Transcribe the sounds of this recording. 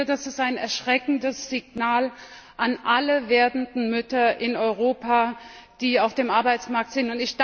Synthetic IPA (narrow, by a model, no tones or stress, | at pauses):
ədasɪstaɪnɛɐʃʁ̥ɛkŋ̩dəsz̥ɪɡ̚naːl | ʔanʔaləveːɐdn̩dn̩mʏtɐʔɪnɔʏʁ̞oːpa | d̥iːaʊfd̥eːmʔaɐbaɪt͡smaɐk̚tz̥ɪntʊntɪçd̥